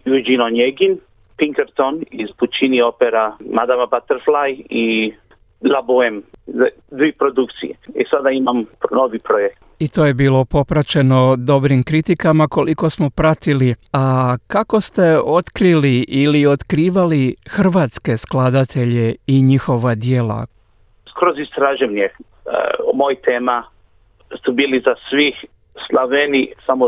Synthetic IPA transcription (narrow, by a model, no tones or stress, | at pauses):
jud͡ʒinonjeɡin | piŋkeɾt̪onizput͡ʃiniopeɾamad̪amabat̪eɾflaji | labuemza | d̪ʋiːpɾod̪ukt̪sḭjeisad̪aimamnoʋipɾojek̚t̪it̪ojebiːlo̞po̞pɾat͡ɕe̞no̞d̪o̞bɾimkɾit̪ikamako̞liko̞smo̞pɾat̪iliakako̞st̪e̞o̞t̪kɾiliʔːlio̞t̪kɾiːʋalixr̩ʋaːt̪ske̞sklˠad̪at̪ʰe̞ʎe̞iɲixo̞ʋad̪jeːla̰ | kɾozist̪ɾaʒemɲḛ | mojt̪ʰeːma | st̪ubiːlizasʋih | slˠaʋenisamo